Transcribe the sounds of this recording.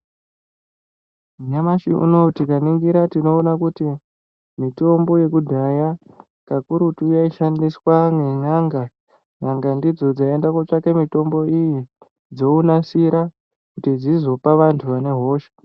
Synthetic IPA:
uɲamaʃiʔṵno̞tikaniŋɡiɾatino̞ːnakuti | mito̞mbo̞je̞kudʱaja | kakuɾutujaiʃandiswaŋenaŋɡa | naŋɡandid͡zo̞d͡zaendakat͡ʂakemito̞mbo̞iji | d͡zo̞unasiɾa | kutid͡zizo̞paʋantʰuʋane̞ɦo̞ːʃe̥

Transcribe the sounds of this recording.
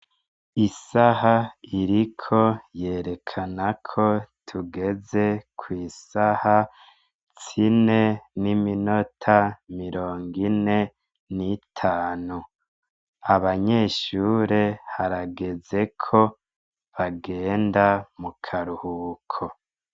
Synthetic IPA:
isahaiɾikʰo̞je̞ːɾe̞kʰanakʰo̞tʰuɡe̞ze̞kʰwiːsaha | t͡sine̞nimino̞tʰamiɾo̞ːŋɡine̞ | nitʰaːnu | aβaɲe̞ːʃuːɾe̞haɾaɡe̞ze̞kʰo̞ | βaɡe̞ːndamukʰaɾuhuːkʰo

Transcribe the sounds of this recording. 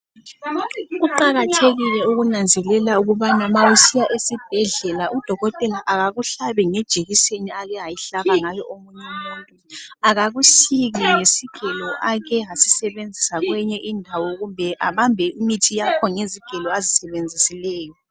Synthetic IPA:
ɣuǃaɣatʰeɣilɛuɣunand͡zʱɛlɛlauɣuβanamawusijaʔesib̥ʱɛɮɛlaʔud̥ʱɔɣɔtʼɛlaʔaɣaɣuɬaβɛŋɛd̥ʒ̥ʱeɣiseniaɣɛɦajiɬaβaŋajɔʔomuɲɛmuːntʼuaɣaɣuʃiɣɛŋesiɡ̥ʱɛlɔʔaɣɛɦasisɛβend͡zʱisaɣwɛɲɛʔindʱawɔɣumbʱɛʔaβambʱɛʔimitʰijakʰɔŋeziɡ̥ʱɛlɔazisɛβend͡zʱisilɛːjɔ

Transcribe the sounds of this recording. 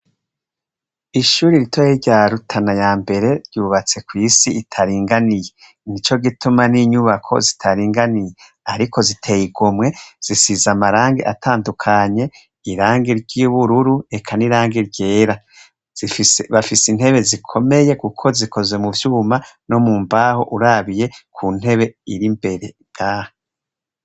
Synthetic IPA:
iʃuːɾiɾitʰojeɾɟaɾutʰanajaːmbe̞ɾe̞ɾɟuːβat͡se̞kwiːsiːtʰaɾiːŋɡanije̞ | nit͡ʃo̞ɡitumaniːɲuβakʰo̞̰zitʰaɾiːŋɡanije | aɾiko̞zitʰe̞jiɡumŋe̞z̥isizamaɾaːŋɡeʔatʰaːndukʰaɲe̞ | iɾaːŋɡiɾɟiβuɾuɾue̞kʰaniɾaːŋɡiɾɟe̞ːɾa | z̥iisβafisin̥he̞βe̞zikʰo̞me̞je̞kukʰo̞zikʰo̞ze̞muvjuːmano̞muːmbaho̞̰ʔuɾaβije̞kʰun̥he̞βe̞iɾimbe̞ɾe̞ | ɡ̥aːha

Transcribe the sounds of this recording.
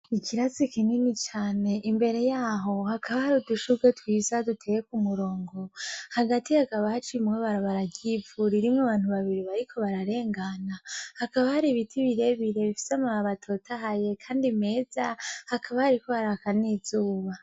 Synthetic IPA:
ikʰiɾazikininit͡ʃaːne̞ʔimbe̞ɾe̞jaːɦo̞hakʰaβahaɾiduʃuɡetwiːzadutʰejekumuɾo̞ːŋɡo̞haɡatihakaβahat͡ʃimŋweβaɾaβaɾaɡivuɾiɾimŋwaβaːn̥uβaβiɾiβaɾikʰo̞βaɾaɾe̞ːŋɡanahakaβahaɾiβitʰiβiɾe̞βiɾe̞βifi̥seamaaβatʰo̞tʰaɦaje̞kʰaːndime̞ːz̥ahakaβahaɾiko̞haɾakaniːzuːβa

